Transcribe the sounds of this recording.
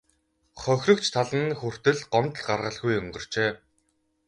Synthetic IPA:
χœxʲrɵ̆kt͡ɕt̪ʰaɮə̆nxur̥t̪ɘ̆ɮɢɔmt̪ɮɢarʁə̆ɮɣujɵŋɢɵ̆r̥t͡ɕeː

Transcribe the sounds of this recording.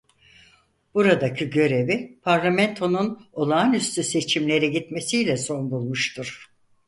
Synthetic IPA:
b̥uɾad̪acʰiɟø̞ɾe̞vipʰaɾlʲˠamɛnt̪ʰo̞nuno̞lˠaːnyst̪yse̞t͡ʃʰimlʲe̞ɾiɟit̪me̞sijlʲɛso̞nbulˠmuʃt̪ʰuɾ̥

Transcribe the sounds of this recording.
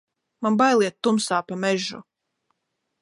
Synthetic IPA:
manbajlˠiɛt̪ːumsaːpamɛʒṵ

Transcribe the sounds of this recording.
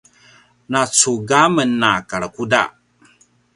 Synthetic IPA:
nat͡suɡamənːakaɭəkuda̰

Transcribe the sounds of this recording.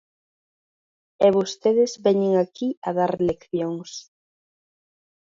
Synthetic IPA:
ɛβost̪eðɪzbɛɲeŋakiɐðaɾlekθjoŋs

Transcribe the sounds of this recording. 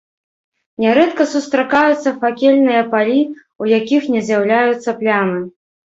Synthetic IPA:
nʲɛɾɛt̪kɐsust̪ɾakajut̪sːɐfakʲelʲnɨjɐpalʲi | ujakʲixnʲɛzʲjawlʲajut̪sːɐplʲamɨ

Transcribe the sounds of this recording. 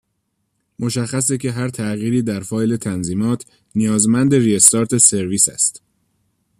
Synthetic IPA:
mʔo̞ʃæxːæs̬ecʰe̞ɦæɾt̪ʰæɣiːɾiːd̪æɾfɒːjle̞t̪ʰænziːmɒːt̪ʰ | nijɒːzmænd̪e̞riest̪ɒːɾt̪ʰese̞ɾviːsæ̰st̪

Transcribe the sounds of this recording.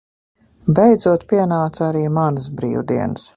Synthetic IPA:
bɛjd̪zuɔt̪piɛnaːt̪saɾiːmanəsbɾḭːwd̪ḭɛnəs

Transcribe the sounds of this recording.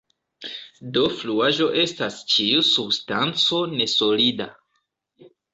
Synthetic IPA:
do̞fluaʒo̞ʔe̞stast͡ʃiusubstant͡so̞ne̞so̞lida

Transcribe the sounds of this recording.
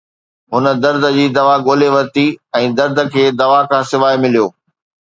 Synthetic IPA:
ɦʊnə̆d̪ɐɾd̪ʱə̆d͡ʑiːd̪ɐʋaɡoːleʋɐɾt̪iɛ̃ːd̪ɐɾd̪ʱə̆kʰeːd̪ɐʋakʰãːsɪʋaːimɪlijoː

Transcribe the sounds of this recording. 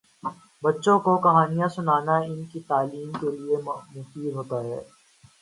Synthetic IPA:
bɐtːʃõkokɐɦaːnijãsʊnaːnaɪnkit̪aːliːmkeliemmʊsiɦoːt̪aɦɛ̰ː

